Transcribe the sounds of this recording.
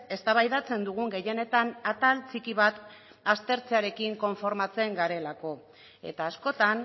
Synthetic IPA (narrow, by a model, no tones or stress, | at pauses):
e̞st̪aβajðat͡se̞nd̪uɣ̞uŋɡe̞je̞ne̞t̪anat̪alt͡sikiβ̞at̪ | ast̪e̞ɾt͡seaɾe̞kiŋko̞ɱfo̞ɾmat͡se̞ŋɡaɾe̞lako̞ | e̞̰t̪aːsko̞t̪an